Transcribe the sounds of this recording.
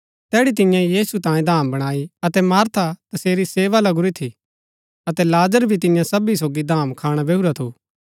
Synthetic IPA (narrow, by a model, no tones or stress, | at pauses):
t̪ɛːɽit̪̬ɪ̃jãjiːsut̪ãːjẽd̪ʱaːmbɐɽ̃aːiɐt̪ɛmaːɾt̪ʰat̪ɐseːɾiseːʋalɐɡʊɾit̪ʰi | ɐt̪ɛlaːzəɾbʱit̪̬ɪ̃jãsɐbisoːɡid̪ʱaːmkʰaːɽ̃abeːuɾat̪ʰuː